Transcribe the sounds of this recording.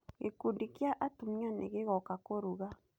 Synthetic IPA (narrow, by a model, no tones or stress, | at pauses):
ɡekudikjaʔatumɲanḛɣeɣɔkakoɾuɣa